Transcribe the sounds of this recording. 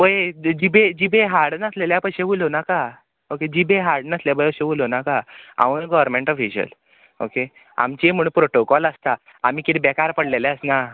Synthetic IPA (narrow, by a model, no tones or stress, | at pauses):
ojed͡ʑibed͡ʑibeɦaɾɽnəsleljapəɕeʋulonaka | oked͡ʑibeɦaɾɽnəsljabəjəɕeʋulonakaa̰ʋunɡɔʋəɾmẽɳʈɔfiɕə̰l | o̰ke | a̰mt͡ɕem̤əɽũpɾoʈokɔləst̪a | amiːkit̪ʰibɛkaɾpəɽlelɛ̃əsna